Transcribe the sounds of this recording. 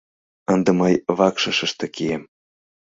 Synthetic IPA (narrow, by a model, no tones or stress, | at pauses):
ənd̪ə̆mɤjβɑkʃə̆ʃə̆ʃt̪ɤ̆kiem